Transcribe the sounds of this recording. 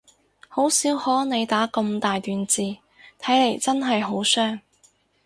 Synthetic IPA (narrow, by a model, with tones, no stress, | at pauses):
ho˨˥wsiː˨˥whɔː˨˥ne˨˧jt̪aː˨˥kɐ˧mt̪aː˨jt̪yː˨˧nt͡siː˨˧ | t̪ʰɐ˨˥jle˨˩jt͡sɐ˥nɦɐ˨jɦo˨˥wsœː˥ŋ